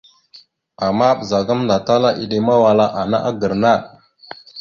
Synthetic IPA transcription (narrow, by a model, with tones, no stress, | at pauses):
a˨ma˦ɓə˨za˨ɡa˦mnda˨ta˦la˦ʔi˨ɗe˨ma˦wa˨la˦ʔa˨na̰˦ʔa˦ɡə˨ɾna˦˨